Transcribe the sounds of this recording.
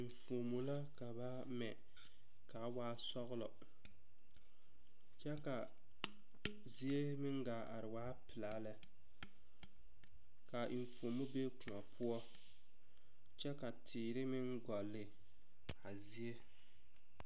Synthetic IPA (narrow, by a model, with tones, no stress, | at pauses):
i˨ɱ˨fo˨mu˨la˦ka˨ba˦ | mɛ˨ | ka˨˦waː˦sɔ˦ɣʊ˦lɔ˨ | t͡ʃɛ˦ka˨ | zi˦e˦mɪ˦ŋɡaː˨ʔa̰˨ɾɪ˨waː˦pɪ˨laː˨˦lɛ˨ | ka˨ʔi˨ɱ˨fo˨mu˦be˦ku˨ɔ˨pʰʊ˦ɔ˦ | t͡ʃɛ˦ka˨tʰiː˨ɾɪ˦mɪ˦nɡɔ˨lːɪ˨ | a˨zi˦e˦